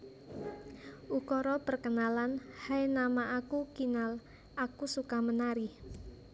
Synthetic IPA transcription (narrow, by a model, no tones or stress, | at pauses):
ʔukɔɾɔpərkənalanhajnamaʔakukinal | ʔakusukamənaɾɪh